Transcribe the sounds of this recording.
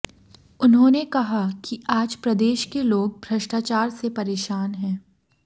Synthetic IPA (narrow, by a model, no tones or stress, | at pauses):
ʊnɦõːnekɐɦakiaːd͡ʒpɾɐd̪eːʃkeloːɡ̚bʱɾɐʃʈaːt͡ʃaːɾsepɐɾeːʃaːnɦɛ̃ː